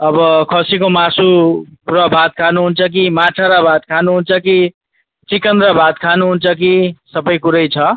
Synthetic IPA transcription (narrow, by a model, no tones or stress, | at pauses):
ʌbʌkʰʌsikomasurʌbʱat̪̚kʰanuɦunt͡sʰʌk̬imat͡sʰaɾabʱat̪kʰanuɦunt͡sʰʌki | t͡sikʌnd̪ɾʌbʱat̪̚kʰanuɦunt͡sʰʌkisʌbʌjkuɾʌjt͡sʰʌ